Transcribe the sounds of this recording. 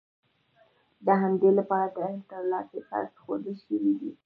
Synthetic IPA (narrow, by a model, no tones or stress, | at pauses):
d̪əɦamd̪elapɑɾat̪əhilt̪əɾlɑsexɑ̰ɾsxod̪əlʃəwid̪i